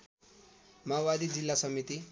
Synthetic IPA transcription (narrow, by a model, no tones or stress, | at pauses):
mawad̪id͡zilːasʌmit̪i